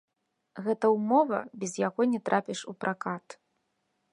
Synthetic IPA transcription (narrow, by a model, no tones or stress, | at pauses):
ɣɛt̪ɐwmɔvɐ̰bʲɛzjaɣɔnʲɛt̪ɾʔapʲiʂupɾʔakat̪